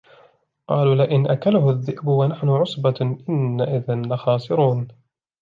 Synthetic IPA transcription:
qɑːluːlɪʔɪnʔakalʊhʊðːɪʔbʊwanaħnʊʕʊsˤbaʔɪnːaʔɪðɪnlɪxɑːsˤɨɾuːn

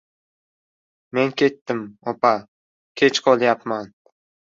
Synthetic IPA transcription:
me̞nkʲe̞t̪ːɪmɒpa | kʲʰe̞t͡ʃqʰɒlˠjapman

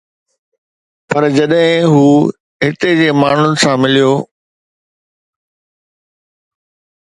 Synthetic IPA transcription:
pɐɾd͡ʑɐɗɦɪ̃ɦuː | ɦɪt̪ed͡ʑeːmaːɳ̤ʊnɪ̆sãmɪlijoː

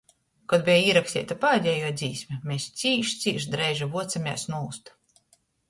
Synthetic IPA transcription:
kɔd̪̚bʲijaiːɾaksʲt̪ʲḭːt̪apaad̪ʲɛjuɔd̪ziːsʲmʲɛmʲest̪sʲiːʃt̪siːʃd̪ɾɛjʒivuɔt̪samʲɛsnuust̪

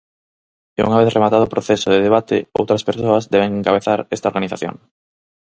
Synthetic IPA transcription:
eṵŋaβeθremat̪aðʊːpɾoθesoðeðeβ̞at̪ḛo̰wt̪ɾaspeɾsoɐzðɛβ̞eŋeŋkaβeθaɾɛst̪aoɾɣaniθaθjo̰ŋ

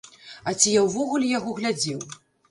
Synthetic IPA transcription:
ɐt͡sʲijawvɔɣulʲɛjaɣɔɣlʲad͡zʲɛw

